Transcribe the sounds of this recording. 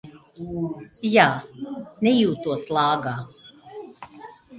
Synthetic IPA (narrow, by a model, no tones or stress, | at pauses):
jaːnɛjuːt̪uɔslˠɑːɡaː